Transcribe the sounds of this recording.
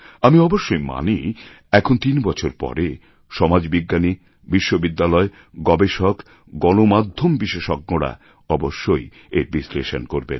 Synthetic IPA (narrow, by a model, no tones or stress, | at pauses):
amiɔboʃːojma̰ni | ɛkʰont̪inbɔt͡ɕʰoɾpɔ̰ɾe | ʃɔmad͡ʑbiɡːani | biʃːobid̪ːalɔe | ɡɔbeʃok | ɡɔnomad̪ʱːombiʃeʃɔk̚ːoɽa̰ | ɔboʃːoj | eɾbisleʃonkoɾbḛn